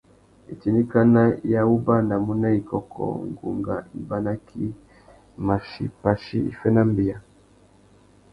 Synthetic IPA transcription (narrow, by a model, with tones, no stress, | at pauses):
ḭ˨ti˨ni˦ka˦na˦ja˦u˦ba˦na˨mu˦na˦i˨kɔ˨kʰɔ̰˨ŋɡṵ˨ŋɡa̰˨i˨ba˦na˦kʰi˦ | ma˨ʃi˦pa˦ʃi˦ḭ˨fɛ˦na˦mbi˨a˨